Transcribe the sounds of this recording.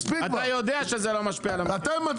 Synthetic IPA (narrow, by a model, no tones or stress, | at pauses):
spikat̪ajod̪eaʃezelo̞maʃpialamat̪amat̪